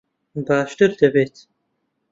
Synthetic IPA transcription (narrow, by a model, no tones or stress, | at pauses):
baːʃt̪ɨɾd̪əbeːt̪